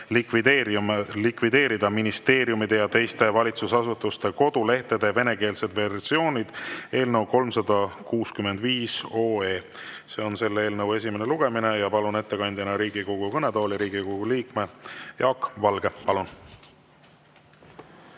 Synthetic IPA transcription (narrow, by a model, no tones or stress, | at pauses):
lvi | likvid̪e̞ːɾid̪ɑminist̪e̞ːɾjumid̪e̞jɑt̪e̞jst̪e̞vɑlʲit̪susɑsut̪ːˑust̪e̞ko̞d̪̥ule̞ht̪e̞d̪̥e̞ve̞ne̞ke̞ːlse̞d̪̥ve̞rsio̞ːnʲid̪̥e̞ːlnəwko̞lmsɑd̪̥ɑkuːskyme̞nd̪viːso̞ːe̞ː | se̞ːo̞nse̞lːe̞ːlnəwe̞s̬ʲimene̞luɡ̥e̞mine̞jɑpɑlune̞t̪ːe̞kɑnʲd̪jɑnɑɾiːɡ̥ikoɡ̥ukɤne̞d̪o̞ːlʲiɾiːɡikoɡ̥uliːkme̞jɑːkːˑvɑlɡ̥e̞pɑlun